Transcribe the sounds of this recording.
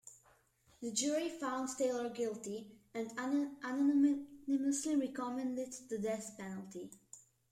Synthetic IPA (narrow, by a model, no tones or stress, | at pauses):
ðɨd͡ʒʊɹifãʊ̃ndsteɪlˠə˞ɡɪlˠti | ɨ̃ndannɪməsliɹɛkɔmɛ̃ndɪdðɨdɛθpɛnəlˠti